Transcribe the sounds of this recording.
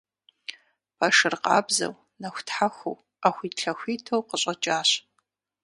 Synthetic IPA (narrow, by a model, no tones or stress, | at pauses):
pʰaʂɨrqɑ̰ːbzɐ̰w | nɐxʷtħaxʷo̰w | axʷiːtɬɐxʷiːtʰowqəɕʼɐt͡ʃʼaːɕ